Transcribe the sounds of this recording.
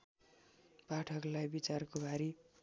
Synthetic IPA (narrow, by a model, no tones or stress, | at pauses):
paʈʰʌklajbit͡sarkobʱaɾi